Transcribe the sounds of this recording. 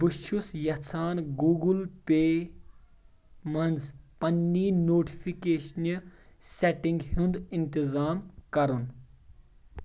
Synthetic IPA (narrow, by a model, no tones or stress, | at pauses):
buʃusjɐt͡sʰaːnɡuːɡulpeː | mɐnd͡zpɐnːiːnoːʈi̥pʰikeːʃniseʈĩŋɡɦũnd̪int̪izaːmkɐɾun